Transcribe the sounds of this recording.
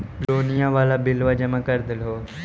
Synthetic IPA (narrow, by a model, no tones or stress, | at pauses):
loːnijãːʋaːlaːbɪlʋaːd͡ʒəmãːkəɾd̪əlɦoː